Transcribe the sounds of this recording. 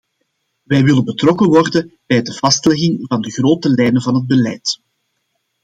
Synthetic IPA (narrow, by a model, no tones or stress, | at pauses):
ʋɛːjʋɪlənbətrɔkəʋɔrdənb̥ɛjdəv̥ɑstlɛɣɪŋvɑndəɣroːtəlɛjnəvɑnɦəd̚bəlɛjt